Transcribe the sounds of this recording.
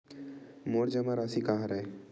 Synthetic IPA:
moːɾd͡ʒamaɾaːsikaɦãɾaɦe

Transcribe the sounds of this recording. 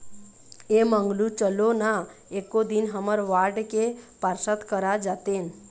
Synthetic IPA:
emə̃ŋɡlut͡ʃəlona | ekod̪inɦəməɾʋaɾɖkepaɾsət̪kəɾad͡ʒat̪eːn

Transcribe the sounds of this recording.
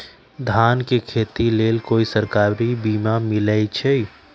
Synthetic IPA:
d̪ʱaːnkekʰeːt̪ileːlkoːisəɾkaːɾibiːmamɪləjt͡ʃʰɛj

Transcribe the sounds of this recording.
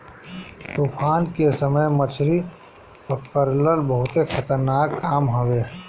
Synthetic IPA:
t̪uːpʰaːnkesəməjmət͡ʃʰɾi | pəkəɾləlbəɦʊt̪ekʰət̪əɾnaːkːaːmɦoʋe

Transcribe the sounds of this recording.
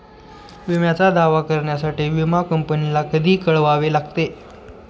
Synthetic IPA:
ʋimjat͡sad̪aʋakəɾɳjasaʈiːʋimakəmpənilakəd̪ʱiːkəɭʋaʋelaɡ̚t̪e

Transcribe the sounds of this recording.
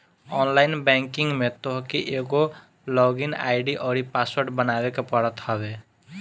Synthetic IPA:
ɔnlajnbɛŋkiŋɡmet̪ɔɦkiʔeɡo | lɔɡina̰jɖiʔɔɽipaswɔɾʈbənabekepɔɽɔt̪hɔbe

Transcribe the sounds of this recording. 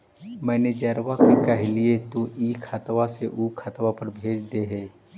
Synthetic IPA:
mɛ̃ːned͡ʒəɾʋakikɐɦliet̪oʔiːkʰət̪ʋaseʔuːkʰət̪ʋapəɾbʱeːd͡ʒd̪eɦɛː

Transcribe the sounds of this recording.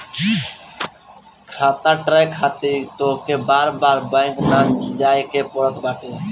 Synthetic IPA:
kʰat̪aʈɾajkʰat̪it̪okebaɾbaɾbajknand͡ʒajkepɔɽɔt̪baʈe

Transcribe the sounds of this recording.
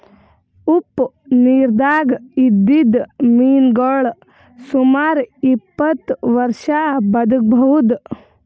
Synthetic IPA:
up | niːɾd̪aːɡid̪id̪miːnɡɔɭ | sumaːɾipːɐt̪ʋɐɾʃabɐd̪uk̚bʱɐɦud̪

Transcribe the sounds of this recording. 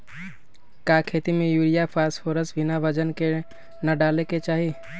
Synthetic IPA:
kakʰet̪imejuɾijapʰaspʰoɾəsbʱinabəd͡ʒənke | nəɖaleket͡ʃaɦi

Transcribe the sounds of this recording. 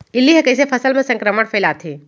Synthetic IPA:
ɪlːiɦekəɪsepʰɐsəlmẽsə̃ŋkɾəməɽpʰeːlaːt̪ʰɦeː

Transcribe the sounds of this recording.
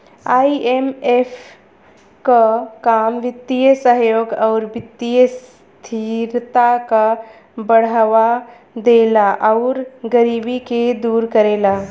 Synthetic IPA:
aːiemef | kakaːmʋɪt̪ːijəsəɦjoːɡɔːɾʋɪt̪ːijəs | t̪ʰiɾt̪aka | bəɽəʋa | d̪eːlaʔɔʊɾɡəɾiːbiked̪uːɾkəɾeːla

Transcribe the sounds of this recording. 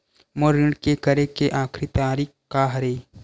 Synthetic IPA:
moɾɪɳɖkekəɾekeʔaːkʰɾit̪aːɾiːkkːaɦɐɾeː

